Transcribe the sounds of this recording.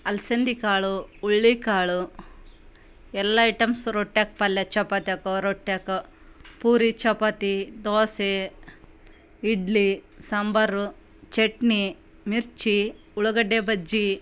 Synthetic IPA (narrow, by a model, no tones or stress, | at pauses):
ɐlsend̪ikaːɭuːɭːikaːɭu | ɛlːɐɐʈɐmsɾoʈːek̚pɐlːɐt͡ʃɐpɐt̪ɐkoɾoʈːekɐ | puːɾit͡ʃɐpɐt̪id̪oːse | iɖlisɐmbɐɾu | t͡ʃeʈni | miɾt͡ʃi | uɭɐɡɐɖːebɐd͡ʒi